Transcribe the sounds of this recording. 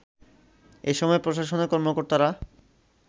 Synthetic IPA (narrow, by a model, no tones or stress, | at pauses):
eʃɔmɔepɾoʃaʃonekɔɾmokoɾt̪aɾa